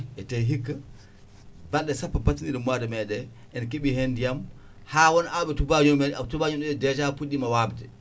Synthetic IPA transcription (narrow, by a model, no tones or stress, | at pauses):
ʔɛtɛɦikːa | balɗɛsapːabatːiniɗɛmwadɛmɛdɛ | ʔɛnkeɓihendijam | haːwɔnawɓɛtubautubaːɲunɗɛɗɛdɛtapuɗimawabdɛ